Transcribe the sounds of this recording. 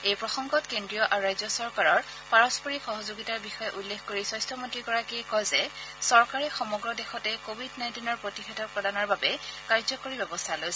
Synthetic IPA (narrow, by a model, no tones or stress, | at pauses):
ejpɹɔxɔŋɡɔtkendɹijɔʔaɹuɹajzɔsɔɹkaɹɔɹ | paɹɔspɔɹixɔɦɔzoɡitaɹbixɔjɛʔulːexkoɹisɔjstɹɔmontɹiɡɔɹakiɛkɔjzɛsɔɹkaɹɛxɔmɔɡɹɔdɛxɔtɛkobʱidnaj̃ntinɔɹpɹotixɛtʰɔpɹɔdanɔɹbabɛkaɹzɔkoɹibɛbɔstʰalojs